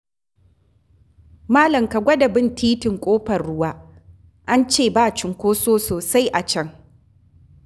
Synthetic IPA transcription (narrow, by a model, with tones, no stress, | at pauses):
maː˦lɐ˨mka˨ɡʷɐ˦dɐ˨bɪ˦ntʰiː˦tɪ˨ŋkʷʼoː˦ɸɐ˨rɽʊ˦waː˦ | ʔa˦nt͡ʃeː˦˨baː˦t͡ʃɪ˨ŋkʷoː˦soː˦soː˨sa˦jʔa˨t͡ʃɐ˦ŋ